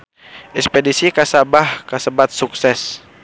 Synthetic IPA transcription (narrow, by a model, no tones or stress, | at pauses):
ʔɛspedisikasabahkasəbat̪̚suksɛs